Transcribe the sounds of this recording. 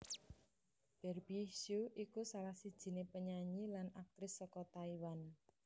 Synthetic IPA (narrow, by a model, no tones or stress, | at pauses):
b̥ɛrbisuʔikusalahsid̥ʒ̥i̤nepəɲaɲilanak̚t̪ɾɪsːɔkɔt̪aiwan